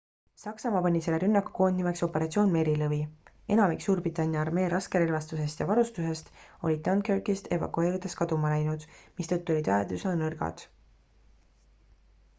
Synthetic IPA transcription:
sɑksɑmɑpɑnʲise̞lːeɾynːɑku̥ko̞ːnd̪nime̞kso̞pːe̞ɾɑt̪sio̞ːnme̞ːɾilɤvi | e̞nɑmiksuːɾbrit̪ːˑɑnʲjɑɑrme̞ːɾʔɑske̞ɾelvɑst̪use̞st̪jɑvɑɾust̪use̞st̪o̞lʲid̪̚onkerkist̪ʰe̞̰vɑ̰kue̞ːɾid̪̥e̞skɑd̪umɑlæjnud̪̥mist̪ɤt̪ːˑuo̞lit̪æed̪usnɑnɤrɡ̥ɑ̰d̪̥

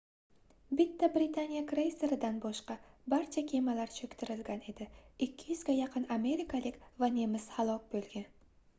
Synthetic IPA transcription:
bɪt̪ʰːabɾɪt̪ʰanijakɾejseɾɪd̪anbɒʃqɑbaɾt͡ʃʰakʲʰe̞malaɾt͡ʃʰɵkʲt̪ʰɪɾɪlɡʲane̞d̪ɪɪkʲʰːɪjɪzɡʲajɑqʰɨname̞ɾikʰalɪkʲvane̞mɪz̥halˠɒk̚ʲbolˠɡʲan

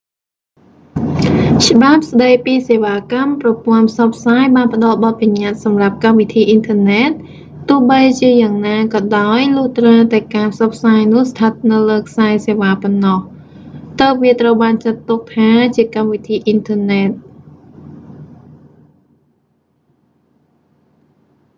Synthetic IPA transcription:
t͡ɕə̆ɓap̚sɗəjpiːseːʋaːkamprɑpŏənpʰsɑpʰsaːjɓaːnpə̆ɗɑlɓɑt̪̚paɲat̪̚sɑmrap̚kamʋit̪ʰiːʔint̪ʰəːneːt̪̚ː | ʊ̆əhɓəjt͡ɕiəjaːŋnaːkɑːɗaɔjlʊəht̪rat̪aɛkaːpʰsɑpʰsaːjnʊ̆əhst̪ʰət̪̚nɨwləːkʰsaɛseːʋaːpɔnːɑh | t̪əp̚ʋiət̪rəwɓaːnt͡ɕət̪ːuk̚t̪ʰaːt͡ɕiəkamʋit̪ʰiːʔint̪ʰəːnɛt̪̚

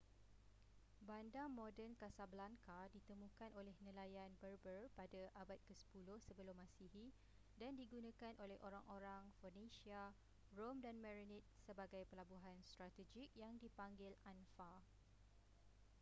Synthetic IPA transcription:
bandamɔdənkasabəlaŋkadit̪əmũkanʔolɛhnəlajanbərbərpadaʔabat̪̚kəsə̥pulʊhsəbəlʊmːãsiɦi | dandiɡunãkanʔolɛhʔoɾaŋʔoɾaŋfonẽsia | romdanmɛɾinit̪̚səbaɡajpəlabuɦanst̪ɾat̪əd͡ʒik̚jaŋdipaŋɡɪlanfa

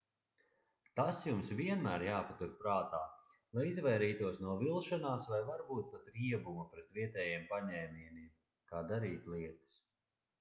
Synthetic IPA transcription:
t̪asjumsviɛnmæːɾjaːpat̪uɾpɾaːt̪aː | lˠajizvɛjɾiːt̪uɔsnuɔvilˠʃanaːsvajvaɾbuːt̪̚pat̪ɾiɛbumupɾɛt̪viɛt̪ɛːjiɛmpaɲɛjmʲiɛniɛm | kaːd̪aɾiːt̪lˠiɛt̪ɐ̥s

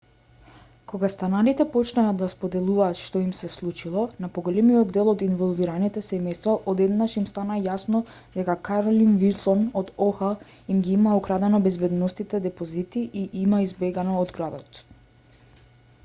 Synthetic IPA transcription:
koɡast̪anaɾit̪ɛpɔt͡ʃnaːd̪aspod̪ɛlˠuvaːt̪ʃt̪ɔimsɛslˠut͡ʃilˠɔnapoɡolɛmijɔd̪ːɛlˠɔd̪involˠviɾanit̪ɛsɛmɛjst̪vaʔod̪ɛd̪naʃimst̪anajasnɔ | d̪ɛkakaɾolinvilˠsɔnod̪ɔxa | imɡiimaukɾad̪ɛnɔbɛzbɛd̪nɔst̪it̪ɛd̪ɛpozit̪iʔiʔimaizbɛɡanɔːd̪ɡɾad̪ɔt̪

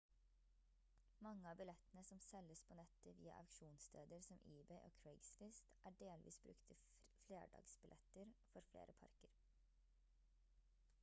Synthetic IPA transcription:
mɑŋːəɑːbɪlɛt̪ənəsɔmsɛləspʰoːnɛt̪əʋḭːɑ̰ʔɑkʃuːnst̪ʰeːd̪əɾsɔmʔiːbɛɪʔo̰ːkʰɹɛɪɡsfɪst̪ʔæːɖeːlʋʔḭːsbɾʉ̰kt̪ʰə | flḛːɖɑ̰ːɡsbɪlʔɛt̪əɾfɔɾflḛːɾʔəpʰɑ̰ɾkəɾ

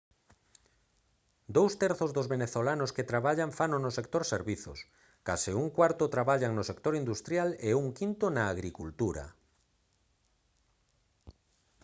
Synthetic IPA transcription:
d̪owst̪ɛɾθozðozβeneθolanosket̪ɾaβaʎaɱfanonosek̚t̪oɾseɾβiθo̰s | kasɪuŋkwaɾt̪ʊt̪ɾaβaʎaŋnosekt̪oɾind̪ust̪ɾjaleuŋkint̪onaːɣɾikult̪uɾa̰

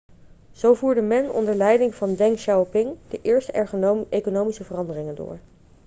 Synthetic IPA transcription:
z̥owvuːɹdəmɛnɔ̰ndəɹlɛjdɪŋvɑndɛŋkʃawpɪŋd̥əʔɪːɹstəɛɹχənoekonowmisəvərɑndərɪŋəndʊ̰ːɹ

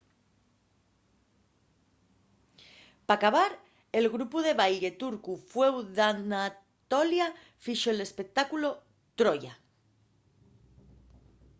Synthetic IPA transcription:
pakaβaɾ | e̞lɣɾupuðe̞βaje̞t̪uɾkufwe̞wðana | t̪olja | fiʃoele̞spe̞k̚t̪akulo̞ | t̪ɾoʝa

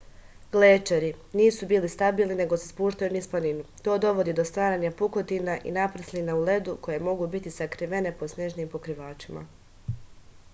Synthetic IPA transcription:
ɡ̥leːt͡ʃeɾiniːsubiːlist̪abiːlˠnine̞ɡo̞sespuːʃt̪ajunisplaninut̪o̞ːd̪o̞ʋo̞d̪id̪ost̪ʋaːɾaːɲapuko̞t̪inaʔḭnapɾ̩slinaule̞d̪uko̞je̞mo̞ɡubit̪isakɾiʋe̞ne̞po̞sneʒniːmpo̞kɾiʋaːt͡ʃima̰

